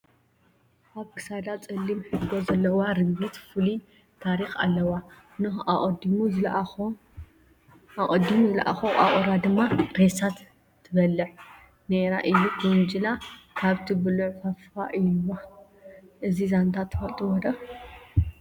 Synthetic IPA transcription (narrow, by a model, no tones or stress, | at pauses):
ʔaβkʰɨ̥sad̪at͡sʼɨlːimħɨɡozɐlːɐwaɾɨɡɡɨt̪fɨli | t̪ʰaɾixa̰lːɐwa | nɨxaʔʼd̪imu | aʔʼɔd̪imuzɨlaʔa̰xoʔa̰ʔʼoɾad̪ɨmːaɾesat̪ʰː | ɨβɐlːɨħ | neɾa̰ʔɨjːukund͡ʒɨlakʰaβt̪ʰibɨluʕfɐfaʔɨjːwa | ʔɨzizant̪ʰat̪ʰːɨfɐlt̪ʼiwɔd̪ɐ